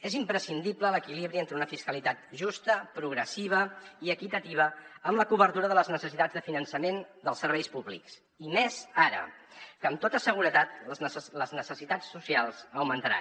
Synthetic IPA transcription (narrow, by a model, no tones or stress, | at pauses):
ezimpɾəsind̪iplələkiliβɾient̪ɾəunəfiskəlit̪at̪̚ʒust̪əpɾuɣɾəsiβ̞əiəkit̪ət̪iβ̞əəmləkuβəɾt̪uɾəðələznəsəsit̪ad͡zðəfinənsəmend̪əlˠsəɾβɛjspuβlḭks | imɛzaɾə̰kəmt̪ot̪əsəɣ̞uɾət̪at̪̚ləznəsəsit̪at͡sːusialˠzəwmənt̪əɾa̰